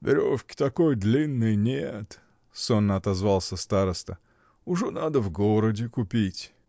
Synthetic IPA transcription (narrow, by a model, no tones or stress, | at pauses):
vʲɪ̰ɾʲo̰fkʲɪ̥t̪ɐkojd̪lʲinːɨjnʲet̪ | sonːəɐt̪ɐzvalˠsʲəst̪aɾəst̪ə | ʊʐɛnad̪əvɡoɾədʲɪkʊpʲitʲ